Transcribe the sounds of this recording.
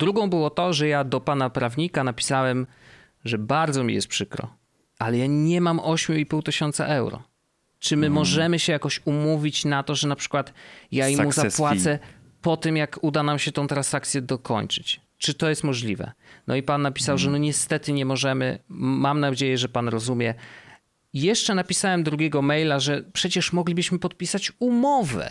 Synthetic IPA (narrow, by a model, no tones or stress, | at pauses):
d̪ɾuɡɔ̃w̃bɘwɔt̪ɔʐɛjad̪ɔpanapɾavɲikanapʲi̥sawɛm | ʐɛbaɾd̪zɔmʲḭjɛ̰st̪pʂɘkɾɔ̰ | ʔalɛjaɲɛmamʔɔɕmʲjuipuwt̪ɘɕɔnt̪sa̰ʔɛwɾɔ̰ | t͡ʂɘmɘmɔʐɛmɘɕɛjakɔɕumuvʲit͡ɕnat̪ɔʐɛnapʂɘ̥kwat̪jaimuzapwasɛ | pɔt̪ɘmjakud̪anamɕɛt̪ɔ̃w̃t̪ɾãnsakt̪sʲjɛd̪ɔkɔ̰ɲt͡ʂɘt͡ɕ | t͡ʂɘt̪ɔjɛst̪mɔʐlʲivɛ̰nɔ̰ipanːapʲi̥sawʐɛnɔɲɛst̪ɛt̪ɘɲɛmɔʐɛmɘ̰mːamnad͡ʑejɛʐɛpanɾɔzumʲjɛ | jɛʂt͡ʂɛnapʲisawɛmd̪ɾuɡʲɛɡɔmɛjlaʐɛpʂɛt͡ɕɛʂmɔɡlʲibɘɕmɘpɔt̪̚pʲisat͡ɕumɔvɛ̰